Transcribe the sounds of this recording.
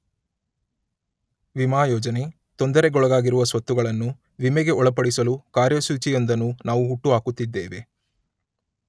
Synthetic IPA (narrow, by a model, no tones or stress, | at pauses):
ʋimaːjɔːd͡ʒɐne̞ | t̪ond̪ɐɾe̞ɡɔɭɐɡaːɡiɾuʋɐsʋɐt̪ːuɡɐɭɐnːu | ʋimɛɡe̞ɔɭɐpɐɽisɐlukaːɾjɐsuːt͡ʃijond̪ɐnːunaːʋuɦuʈːuɦaːkut̪ːid̪ːḛːʋe